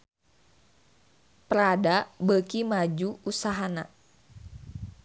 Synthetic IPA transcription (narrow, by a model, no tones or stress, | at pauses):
pəɾadabəkimad͡ʒuusaɦana